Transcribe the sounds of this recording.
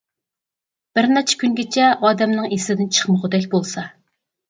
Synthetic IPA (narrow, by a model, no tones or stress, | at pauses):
b̥ɪɾnɛt͡ʃʰɛ̥kʲyŋɡʲet͡ʃʰɛʔɑːd̪ɛmnɨŋeslɪd̪ɪnt͡ʃʰə̥χməʁʊd̪ɛkʲbolˠsɑ